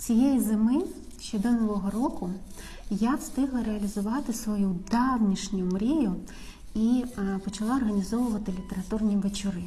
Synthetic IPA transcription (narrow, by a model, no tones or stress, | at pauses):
t͡sʲijejizemɪ | ʃt͡ʃɛd̪ɔnɔʋɔɦɔɾɔkʊ | jawst̪ɪɦlˠɐɾeɐlʲizʊʋɑt̪ɪsʋɔjud̪ɑwnʲiʃnʲʊmɾʲijʊ | ipɔt͡ʃɐlˠɑɔrɦɐnʲizɔʋʊʋɐt̪ɪlʲit̪eɾɐt̪urnʲiʋet͡ʃɔɾɪ